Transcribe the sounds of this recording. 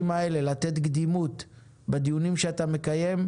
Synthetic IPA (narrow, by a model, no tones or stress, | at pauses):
mae̞le̞lat̪e̞t̪ɡd̪imut̪ | bed̪ijunimʃeat̪ame̞kaje̞m